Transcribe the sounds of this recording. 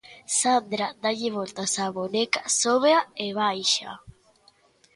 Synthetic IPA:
sand̪ɾad̪aʎiβolt̪asaβonekasoβeaeβajʃa̰

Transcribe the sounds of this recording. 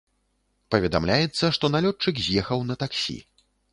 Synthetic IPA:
pɐvʲɛd̪a̰mlʲajɛt̪sːɐʂt̪ɔnalʲɔt͡ʂɨkzʲjɛxɐwnɐt̪aksʲḭ

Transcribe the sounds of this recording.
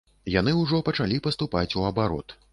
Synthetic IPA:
jan̪ɨuwʐɔpɐt͡ʂalʲipɐst̪upat͡sʲuɐbaɾɔ̰t̪

